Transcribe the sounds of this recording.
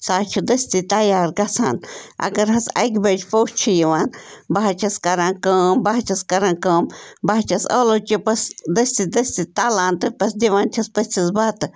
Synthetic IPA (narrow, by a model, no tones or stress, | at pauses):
saːt͡ʃʰud̪əsʲt̪it̪ajaːɾɡɐsa̰ːnʔɐ̰ɡɐɾɦɐsɐ̰jkbəd͡ʒpowt͡ʃʰijiʋanbaɦat͡ʃʰɐskɐɾankəmbaɦt͡ʃʰɐskɐɾankəmbaɦt͡ʃʰɐsolot͡ʃupɐsd̪əsʲt̪id̪əsʲt̪it̪alaːnt̪ɨpɐsd̪iʋãːnt̪ʰɐspəsʲt͡ʃʲʰisbat̪ɨ